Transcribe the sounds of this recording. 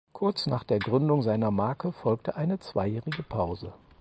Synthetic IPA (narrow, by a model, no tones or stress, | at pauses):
kʰʊɐt͡snaːχd̥eːɐɡʁʏndʊŋzaɪnɐmaːɐkʰəfɔlk̚təʔaɪnət͡sv̥a̰ɪjɛːʁɪɡəpʰaʊzə